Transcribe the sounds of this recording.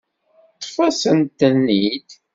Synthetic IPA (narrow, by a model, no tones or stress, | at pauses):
t̪ˤːfɑsənt̪ənːid̪